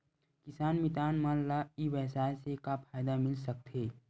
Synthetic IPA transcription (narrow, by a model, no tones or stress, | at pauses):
kɪsaːnmɪt̪aːnmãlaiʋɛɦsaːesekapʰaːjd̪amɪlsɐk̚t̪ɦeː